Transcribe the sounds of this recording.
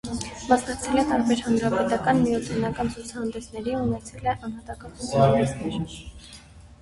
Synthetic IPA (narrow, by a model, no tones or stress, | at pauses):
mɑsnɑk̚t͡sʰɛlɛt̪ɑɾbɛɾhɑnɾɑpɛt̪ɑkɑnmijɔt̪ʰɛnɑkɑnt͡sʰut͡sʰɑhɑnd̪ɛsnɛɾiunɛt͡sʰɛlɛʔɑn̪hɑt̪ɑkɑt͡sʰut͡sʰnɛɾ